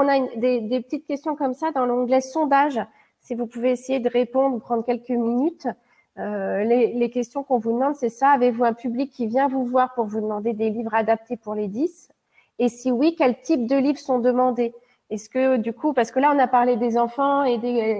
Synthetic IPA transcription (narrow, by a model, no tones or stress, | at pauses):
ɔ̃naynd̪ed̪epə̥t̪it̪̚kʲɛst̪jɔ̃kɔmsad̪ɑ̃lɔ̃ɡlɛsɔ̃d̪aʒ | sivupuveːsejed̪əʁepɔ̃d̪ʁupχɑ̃d̪ʁkʲɛlkəminyt̪ | ølelekʲɛst̪jɔ̃kɔ̃vud̪əmɑ̃d̪sɛsaːvevuɛ̃pyblikʲʰːivjɛ̃vuvwaʁpuʁvud̪əmɑ̃d̪ed̪elivʁad̪ap̚t̪epuʁled̪is | esiwikʲɛlt̪ip̚d̪əlivʁəsɔ̃d̪əmɑ̃d̪e | ɛskəd̪ykupaʁsə̥kəlaɔ̃napaʁled̪ezɑ̃fɑ̃ed̪e